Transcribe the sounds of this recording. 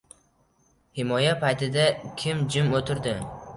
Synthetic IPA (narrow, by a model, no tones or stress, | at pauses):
hɪmɒjapajt̪ʰɪd̪akʲʰɪmd͡ʒɪmot̪ʰɪɾd̪ɪ